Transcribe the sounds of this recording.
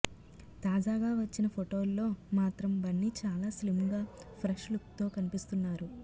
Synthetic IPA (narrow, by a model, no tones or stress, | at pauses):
t̪aːd͡ʒaːɡaːʋɐt͡ʃːinɐpʰoʈo̞ːlːo̞ːmaːt̪ɾɐmbɐnːit͡ʃaːlaːslimɡaːpʰɾɐʂlukt̪o̞ːkɐnipist̪unːaːɾu